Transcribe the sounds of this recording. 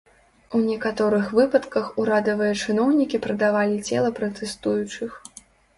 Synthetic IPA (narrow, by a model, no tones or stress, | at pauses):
unʲɛkat̪ɔɾɨxvɨpɐt̪kɐxuɾad̪ɐvɨjɐt͡ʂɨnɔwnʲikʲipɾɐd̪avalʲit͡sʲɛ̰lˠɐpɾɐt̪ɛst̪ujut͡ʂɨx